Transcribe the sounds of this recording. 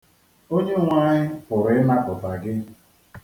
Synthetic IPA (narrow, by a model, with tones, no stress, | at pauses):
o˦ɲe˦˨ŋʷa˦ɲɪ˦pʊ˨ɾɪ˨ɪ˦na˦pʊ˨ta˨ɡɪ˦